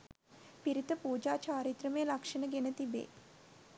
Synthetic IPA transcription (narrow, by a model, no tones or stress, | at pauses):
piɾit̪əpuːd͡ʒaːt͡ʃaːɾit̪ɾəməjəlakʂənəɡenət̪ibḛː